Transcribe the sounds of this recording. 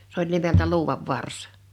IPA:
se olʲ nimeltæ luːwɑʋ ʋɑrs

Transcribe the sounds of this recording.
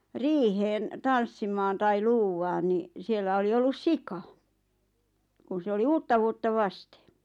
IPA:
riːheːn tɑnsːimɑːn tɑi luːwɑːn ni sielːæ oli olːus sikɑ kun se oli uːtːɑʋuotːɑ ʋɑste̥

